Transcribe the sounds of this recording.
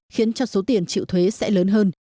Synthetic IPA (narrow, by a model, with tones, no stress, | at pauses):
xi˨˦ənt͡ɕɔ˧so˨˦t̪i˨˩ənt͡ɕḭ˧˨wt̪ʰwe˨˦sɛ̰˧˥ləː˨˦nɦəː˧n